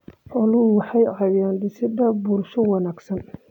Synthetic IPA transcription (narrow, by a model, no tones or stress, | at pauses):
ʔɔlʊwɑħɑjʕɑjjaːnd̪ɪsɪd̪ɐbʊlʃɔwɑnaːɡsɐn